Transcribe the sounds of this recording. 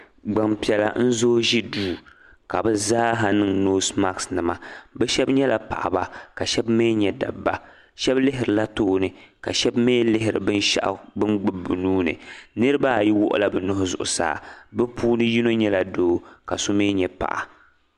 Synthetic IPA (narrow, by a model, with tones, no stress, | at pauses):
ɡ͡ba˨mpi˨ɛ˨la̰˨n̩˦zoː˦ʒi˦duː˦˨ | ka˨bɛ˦zaː˦ɦa˨nɨ˨ŋno˦sma˦ksnɨ˨ma˨bɛ˦ʃɛ˦bɲɛ˦la̰˨pa̰˨ʔa̰˨ba˦ka˨ʃɛ˦bmeː˦ɲɛ˨da̰˨bːa˦ | ʃɛ˦blɪ˦ɦɪ˨ɾɨ˨la˦toː˦nɨ˨ka̰˨ʃɛ˦bmeː˦lɪ˦ɦɪ˨ɾɨ̰˨bɨ˦n˦ʃa̰˦ʔa̰˨bɨ˦nɡ͡bɨ˨bu˨nuː˦nɨ̰˨nɨ˦ɾɨ˦ba˦˨ji˦wʊ̰˦ʔʊ̰˦la˦bɛ˨nʊ˦hʊ˦zʊ̰˨ʔʊ̰˨sa̰ː˦˨bɛ˦pʰuː˦nɨ˦ji˦no˦ɲɛ˦la˨doː˦ka˨so˦me˦ɲɛ˨pa̰˨ʔa̰˨